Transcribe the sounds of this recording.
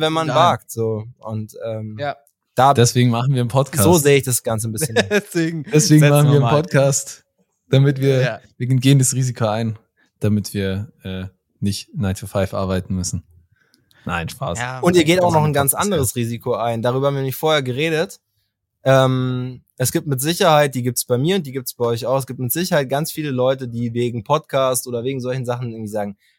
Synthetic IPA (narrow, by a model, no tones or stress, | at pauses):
vɛnmanvaːk̚tz̥oːʔʊntʔɛːm | d̥aːd̥ɛsv̥eːɡŋ̩maχn̩viːɐnpʰɔtkʰazoːzeːəɪçd̥asɡ̥ant͡sənbɪsçənsveːɡŋ̩d̥ɛsv̥eːɡŋmaχn̩viːɐnpʰɔtkʰaːst | d̥amɪtv̥iːɐviːɡnɡeːəndasʁiːzikʰoaɪn | d̥amɪtv̥iːɐʔɛː | nɪçtnaɪtʰufaɪfʔa̰ɐbaɪtn̩mʏsn̩ | na̰ɪnʃpa̰ːsʊntiːɐɡeːtaʊxnɔχnɡant͡sʔa̰ndəʁəsʁiːzikʰoaɪndaʁ̞yːbɐhabmvinɛɪmɪçfoːɐheːɐɡəʁ̞eːdət | ʔɛːmʔɛsɡ̥iːp̚tmɪtz̥ɪçɐhaɪt̚d̥iːɡiːp̚tsb̥aɪmiːɐʊnt̚d̥iːɡiːp̚tə̥sb̥aɪʔɔʏç̬aʊxɛs̬ɡ̥iːp̚tmɪtz̥ɪçɐhaɪt̚ɡ̥ant͡sfiːləlɔʏtədiːveːɡŋ̩pʰɔtkʰaːstʔoːdɐveːɡŋ̩zɔlçn̩zaχn̩ɪɐŋ̩tv̥iːzaːɡŋ̩